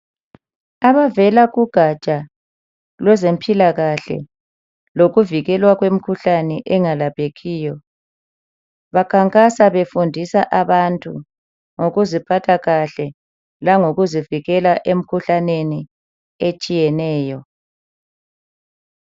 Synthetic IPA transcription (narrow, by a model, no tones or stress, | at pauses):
aβavɛlaɣuɡ̥ʱat͡ʃʼa | lwɛzempʰʼilaɣaɬɛ̰ | loɣuviɣɛlwaɣwem̩kʰuɬanɛʔɛŋalapʰʼeɣiːjɔ | βakʰaŋkʼasaβefundʱisaʔaβantʼu | ŋoɣuzipʰatʰaɣaɬɛ | laŋoɣuziviɣɛlaʔem̩kʰuɬaneni | et͡ʃʼijɛnɛːjɔ